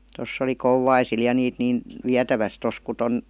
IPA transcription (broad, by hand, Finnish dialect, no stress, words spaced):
tosː oli kouwɑisil jɑ niːt niːn ʋiætæʋæs tos ku ton